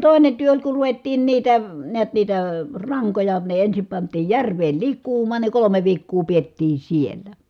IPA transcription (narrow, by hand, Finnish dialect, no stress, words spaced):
toˑi̯ne tyø olʲ ku ruʋetːiːn niːtæ niæt niːtæ rɑŋkojɑ ne ensim pɑntˑiːj jærʋeːl likˑuːmˑɑːn ne kolome ʋiːkːuː pietːiː sielːæ